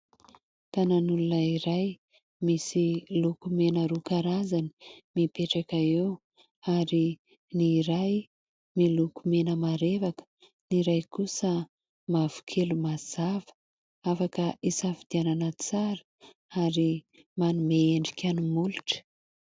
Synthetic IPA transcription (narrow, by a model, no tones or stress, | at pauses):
t̪ananulunəiɾaj | misilukumenəɾukaɾazani̥mipeʈ͡ʂakaew | aɾi | niɾaj | milukumenəmaɾevakə̥ | niɾajkusə | mav̥u̥kʰelumaz̥avə̥ | afakəisafid̪iananət͡saɾə̥ | aɾi | manumeeɳɖ͡ʐi̥kʲʰanumuluʈ͡ʂə̥